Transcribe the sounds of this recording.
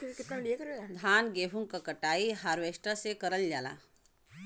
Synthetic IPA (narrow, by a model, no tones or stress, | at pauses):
kɪt̪namɽijekəɾead̪ʱaːnɡeːɦuŋkakəʈaːiɦaːɾʋesʈəsekəɾəld͡ʒaːla̰